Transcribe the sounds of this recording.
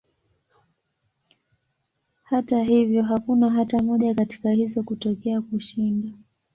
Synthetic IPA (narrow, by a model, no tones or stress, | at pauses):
hataɦivjɔɦakunaɦatamɔʄakati̥kahizɔkutɔkɛakuʃinda